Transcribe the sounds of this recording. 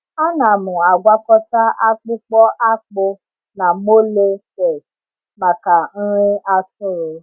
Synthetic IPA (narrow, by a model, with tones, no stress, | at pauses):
a˦nã˨mũ˨a˨ɡʷa˦kɔ˦ta˦a˦k͡pu˦k͡pɔ˦ʔa˦k͡po˧ | nã˨mo˦le˦sɛ˨s | ma˨ka˨n̩˦ɾ̃ĩ˦a˧tũ˦ɾe˨